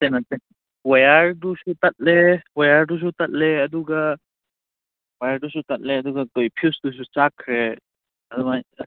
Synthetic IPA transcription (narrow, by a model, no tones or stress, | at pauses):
tenaten | wajaɾdusutat̚lewajaɾdus̬utat̚leɐduɡa | wajaɾdusutat̚leɐduɡatojpʰiusdus̬ut͡ʃakʰɾe | ɐdumaj